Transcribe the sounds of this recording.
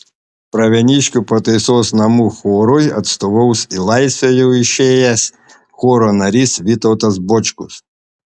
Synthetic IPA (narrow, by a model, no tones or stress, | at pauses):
pɾɐʋʲɛnʲiʃkʲʊpɔt̪ejsɔsʲnɐmuxɔɾɔjɐ̰t̪st̪ɔʋɔwsʲilˠɑjsʲɐjʊiʃejɐsʲ | xɔɾɔnɐɾʲisʋʲit̪ɔwt̪ɐzbɔt͡ʃkʊs